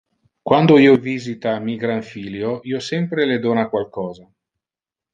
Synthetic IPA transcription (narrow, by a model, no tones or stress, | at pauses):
kwand̪oiːoviːzit̪amiɡɾaɱfiːljoiːosɛmpɾeled̪oːnakwalkɔːza